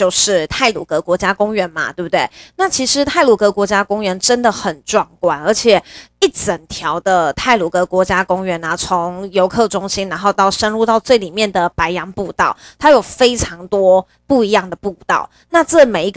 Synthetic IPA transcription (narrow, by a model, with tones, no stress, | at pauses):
t͡ɕjo˥˧ʊʂɻ̩˥˧t̪ʰa˥˩ɪlṵ˨˩kɤ˧˥kwɔ˧˥t͡ɕja˥kʊ˥ŋɥɛ˧˥nmɐ̰˨t̪we˥˩bu˩t̪we˥˩ɪna˥˩t͡ɕʰi˧˥ʂɻ̩˧˥t̪ʰa˥˩ɪlu˨˩kɤ˧˥kwɔ˧˥t͡ɕja˥kʊ˥ŋɥɛ˧˥nʈ͡ʂə˥nd̪ə˨xə˨˩nʈ͡ʂwɑ˥˩ŋkwa˨˩nə˞˧˥t͡ɕʰjɛ˨˩i˥˩t͡sə˨˩nt̪ʰjɑ˧˥ʊd̪ə˧t̪ʰa˥˩ɪlu˨˩kɤ˧˥kwɔ˧˥t͡ɕja˥kʊ˥ŋɥɛ˧˥nɐ˨t͡sʰo˧˦ŋjo˧˥ʊkʰɤ˥˩ʈ͡ʂʊ˥ŋɕi˥nɻa˧˥nxo˥˧ʊt̪ɑ˥˩ʊʂə˥nɻu˥˧t̪ɑ˥˧ʊt͡swe˥˩ɪli˨˩mjɛ˥˨˩nd̪ə˩pa˧˥ɪjɑ˧˥ŋpu˥˧t̪ɑ˥˩ʊt̪ʰa˥jo˨˩ʊfe˥ɪʈ͡ʂʰɑ˧˥ŋt̪wɔ˥ | pu˥˩i˧˥jɑ˥˩ŋd̪ə˩pu˥˧t̪ɑ̰˥˩ʊ | na˥˧ʈ͡ʂɤ˥˩me˨˩ɪi˧˥ɡ